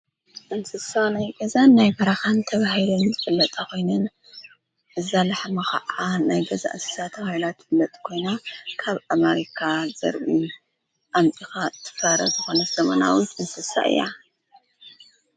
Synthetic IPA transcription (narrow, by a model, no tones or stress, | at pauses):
ʔɨnsɨsanajɡɐzanːajbɐɾaxant̪ʰɐβahilɐnzɨfɨlːɐt̪ʼako̞jnɨn | ʔɨzalaħmɐxa̰ʕanajɡɐza̰ʔɨnsɨ̥sat̪ʰːɐβahilat̪fɨlːɐt̪ʼkʰo̞jnakʰaβʔameɾikʰazɐ̰ɾʔi | ʔamt̪ʼixat̪ʰɨ̥fɐɾɐ̰zɨxo̞nɐsɐmɐna̰wit̪ʔɨnsɨsa̰ʔɨ̰jːa̰